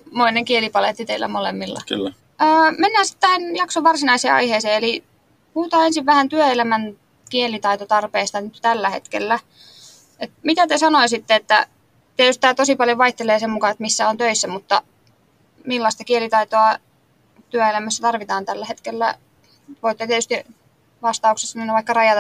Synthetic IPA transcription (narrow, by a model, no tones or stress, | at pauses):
moineŋkielipɑlet̪ːit̪eilːæ̰molemːilːɑ̰ky̰lː | əːmenːæːsi̥t̪ːæinjɑksoʋʋɑrsinɑisḛːɑ̰iheːseːeli | puhut̪ɑːensiʋʋæhænt̪yøelæmæn | kielit̪ɑit̪ot̪ɑrpeːst̪ɑnyt̪t̪ælːæhḛt̪kḛlːæ | et̪mit̪æt̪esɑnoisit̪ːeet̪ːæ̰ | t̪iet̪yst̪t̪æːt̪osipɑljoʋɑiht̪eleːsemmukɑet̪misːæont̪øisːæmut̪ːɑ | milːɑst̪ɑkielit̪ɑit̪oɑ | t̪yøelæmæsːæt̪ɑrʋit̪ɑːnt̪ælːæhet̪kelːæ̰ | ʋoit̪ːet̪iet̪yst̪i | ʋɑst̪ɑuksesːɑmenːɑʋɑikːɑrɑjɑt̪